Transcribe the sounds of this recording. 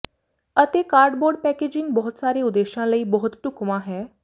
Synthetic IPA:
ət̪ekaɾɖboɾɖpɛked͡ʑĩŋɡ̚bɔɦut̪saɾeud̪eɕãləiːbɔɦut̪t̪ukʋãɦɛ

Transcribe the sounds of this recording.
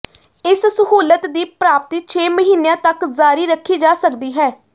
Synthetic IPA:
ɪssəɦuːlət̪d̪iːpɾaːp̚t̪iːt͡ʃʰeːməɦiːnejãːt̪əkzaːɾiːɾəkʰːiːd͡ʒaːsəkd̪iːɦɛː

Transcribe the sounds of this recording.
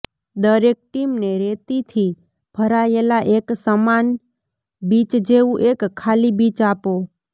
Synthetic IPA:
d̪əɾek̚ʈimneɾet̪it̪ʰi | b̥ʱəɾaelaʔeksəman | bit͡ʃd͡ʒeʋũʔekʰːalibit͡ʃapo

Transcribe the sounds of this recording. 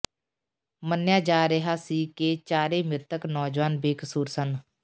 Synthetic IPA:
mənjaːd͡ʒaːɾeɦaːsiːkeːt͡ʃaːɾeːmɪɾt̪əknɔːd͡ʒʋaːnbeːkəsuːɾsən

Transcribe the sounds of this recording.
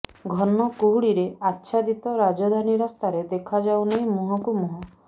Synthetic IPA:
ɡʱɔnɔkuɦuɽiɾeatːʃʰad̪it̪ɔɾad͡ʒɔd̪ʱaniɾɔst̪ʰaɾed̪ekʰad͡ʒawnaĩmuɦɔkumuɦɔ

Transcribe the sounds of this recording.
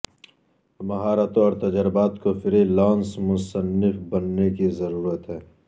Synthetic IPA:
mɐɦaːɾat̪õɔːɾt̪ɐd͡ʒəɾɪbaːt̪kofɪɾelãːnsmʊsənːɪfbɐnːekizɐɾuːɾət̪ɦɛː

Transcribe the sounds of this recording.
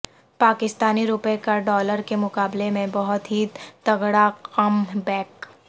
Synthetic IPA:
paːkɪst̪aːniɾʊpekaɖɔːləɾkemʊkaːblemẽbɔɦʊt̪ɦit̪ɐɣɽaqɐmbɛːk

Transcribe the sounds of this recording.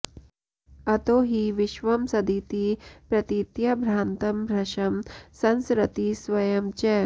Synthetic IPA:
ɐt̪oːɦiʋiʃʋɐmsɐd̪iːt̪iːpɾɐt̪it̪jɐbʱɾaːnt̪ɐmɾɐʃɐmsɐnsɾɐt̪isʋɐjɐmt͡ʃɛ

